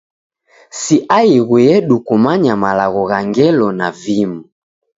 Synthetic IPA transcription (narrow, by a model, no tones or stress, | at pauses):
siʔaiɣwɛɛɗukumaɲamalaɣɔɣaŋɡɛlɔnavimu